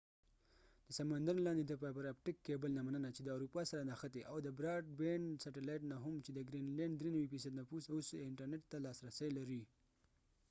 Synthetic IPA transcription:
d̪̥əsamand̪anlɑnd̪ed̪əp̬apaɾap̚ʈɪkːebəlnamanənat͡ʃed̪əawɾupɑsaɾanaxat̪eʔawd̪əbɾɑʈ̚beɳsaʈelɑjʈnaɦʊmt͡ʃed̪əɡɾinleɳɖd̪ɾenawifisad̪napusausɪɳʈəɾneʈ̚t̪ːalɑsɾasəjlaɾi

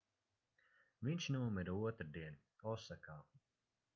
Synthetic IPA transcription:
viɲʲʃnuɔmiɾauɔt̪ɾd̪iɛn | ɔsakaː

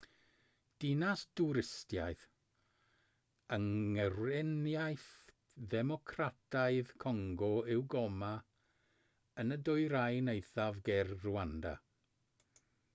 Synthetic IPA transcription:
d̥ɪnasd̥uɾɪstjajθ | əŋərwɛnjajθ | ðɛmɔkʰratʰaɨðkʰɔŋɡɔɪwɡɔma | ənədʊjɾajnejθavɡɛrruanda̰

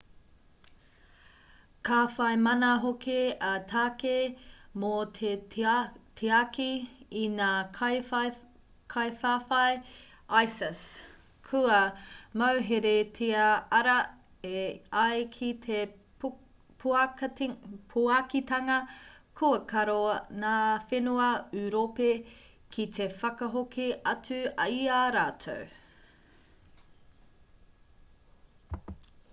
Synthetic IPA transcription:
kʰaːfɐjmɐnɐɦokeɐtʰaːkemoe | tʰeakiinaːkʰj | kʰajfaːfɐj | ajsɐs | kʰuɐmawɦeɾetʰiɐɐɾɐ | eɐjkʰitʰe | pʰ | pʰuakitɐŋɐkʰuɐkɐɾonaːfenuɐʉɾope | kʰit̪efɐkɐɦokiɐt͡sʉɐ̰iaɾaːtʰo̰w

